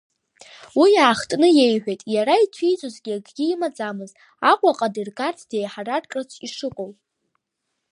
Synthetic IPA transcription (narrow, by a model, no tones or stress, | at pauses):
wijaːχtʼnɨje̞jħʷᶣejtʼjaɾaitʷʰijt͡sʷʼozɡʲiaɡɡʲiːmad͡zamɨz | akʷʼaqʼadɨrkʼartʰd̥e̞jħararkʼat͡ʃʷʰiʂɨqʷʼowʼ